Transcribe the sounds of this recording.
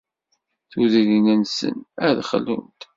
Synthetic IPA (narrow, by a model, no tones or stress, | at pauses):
θuðilinənsə̰næðχəlːunt̪